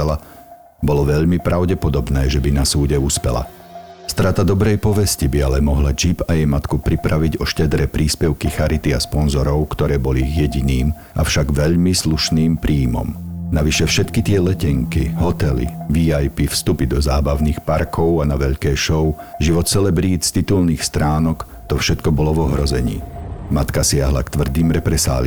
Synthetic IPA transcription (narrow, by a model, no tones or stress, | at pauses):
ɛla | bɔlɔʋɛʎmipɾʔaʊɟɛpɔd̪ɔbnɛːʒɛbinasuːɟɛuspɛla̰ | st̪ɾat̪ad̪ɔbɾɛjpɔʋɛscibialɛmɔɦlad͡ʒibajɛjmat̪kupɾipɾʔaʋiɟɔʃcɛd̪ɾɛpɾiːspɛʊkixaɾit̪iaspɔnzɔɾɔʊkt̪ɔɾɛːbɔliiɣjɛɟiniːm | ʔa̰fʃaɡʋɛʎmisluʃniːmpɾʔiːmɔ̰mnaʋiʃɛfʃɛt̪kit̪ɪɛlɛcɛŋkiɦɔt̪ɛlḭʋiajpifst̪upid̪ɔzaːbaʊniːxpaɾkʰɔʊanaʋɛʎkɛːʃɔʊʒiʋɔt̪sɛlɛbɾist̪it̪ulniːxst̪ɾaːnɔk | t̪ɔfʃɛt̪kɔbɔlɔʋɔɦɾɔzɛɲḭːmat̪kasɪaɦla̰kt̪ʋr̩d̪iːmɾɛpɾɛsa̰ːli